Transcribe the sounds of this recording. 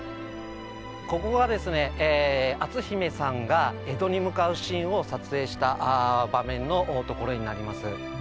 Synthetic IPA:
ko̞ko̞ɡad̪e̞sɨne̞ʔːat͡sɨçime̞sãŋɡae̞d̪o̞ɲ̟imɯ̟kaɯ̟ɕĩɰ̃o̞sat͡sɨe̞ːɕi̥t̪aʔbamẽ̞nːo̞ʔːt̪o̞ko̞ɾo̞ɲ̟inaɾʲimasɨ

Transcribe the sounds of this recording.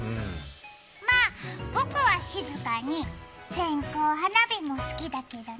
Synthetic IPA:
maːbo̞kɯ̟βaɕizɨkaɲ̟i | sẽ̞ŋko̞ːɦanabʲimo̞sɨ̥kʲid̪ake̞d̪o

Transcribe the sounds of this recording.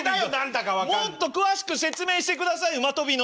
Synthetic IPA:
d̪ajonãnd̪akaβamot̪ːo̞kɯ̟βaɕi̥kɯ̟se̞t͡sɨme̞ːɕi̥t̪e̞kɯ̟d̪asaiɯmat̪o̞bʲino

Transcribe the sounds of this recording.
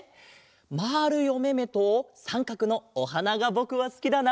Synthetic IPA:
maːɾɯ̟jo̞me̞me̞t̪osãŋkakɯ̟no̞oɦanaɡabo̞kɯ̟βasɨ̥kʲid̪ana

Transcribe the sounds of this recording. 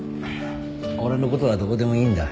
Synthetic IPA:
aoɾanokot̪odad̪okod̪e̞mo̞ĩːnd̪a

